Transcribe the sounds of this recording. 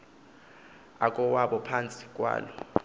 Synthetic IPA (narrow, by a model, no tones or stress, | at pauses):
akʼɔwaɓɔpʰant͡sʼi̥kʼwa̰ːlɔ